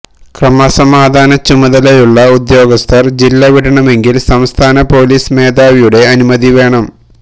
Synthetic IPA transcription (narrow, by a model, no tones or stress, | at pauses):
krɐmɐsɐmaːd̪ʱaːnɐt͡ɕumɐðɐlejuɭːɐud̪jo̞ːɡɐst̪ʰɐrd͡ʑilːɐʋiɽɐɳɐme̞ŋɡilsɐmst̪ʰaːnɐpo̞ːliːsme̞ːd̪aːʋijuɽe̞ɐnumɐðiʋe̞ːɳɐm